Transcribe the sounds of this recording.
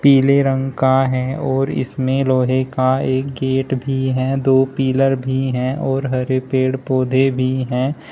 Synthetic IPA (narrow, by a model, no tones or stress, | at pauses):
piːleɾə̃ŋɡkaɦɛɔːɾɪ̰smẽloːɦekaeːk̚ɡeːʈbʱiɦɛd̪oːpiːləɾbʱiɦɛ̃ɔːɾɦəɾepeːɽpoːd̪ʱebʱiɦɛː